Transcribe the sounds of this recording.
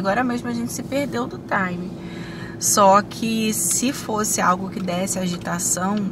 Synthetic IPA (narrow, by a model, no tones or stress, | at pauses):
ɡɔɾɐmeʒmʊaʒẽnt͡ʃɪ̥sɪpeɾd̪ewd̪ʊt̪ajmɪ | sɔkʰɪsɪfosɪawɡʊkɪd̪ɛsɪaʒit̪asɐ̃w̃